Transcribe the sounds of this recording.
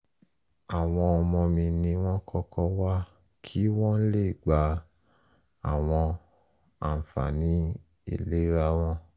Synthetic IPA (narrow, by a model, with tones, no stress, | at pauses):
a˨w̃ɔ̃˧ɔ˧mɔ̃˧mĩ˧nĩ˧w̃ɔ̃˦kʰɔ˧kɔ˧wa˦ | kʰi˦w̃ɔ̃˦le˦˨ɡ͡ba˧ | a˨w̃ɔ̃˧ | a̰˨fa̰˨nĩ˨˦ | ḭ˦˨le˨˦ɾa˧˦w̃ɔ̃˦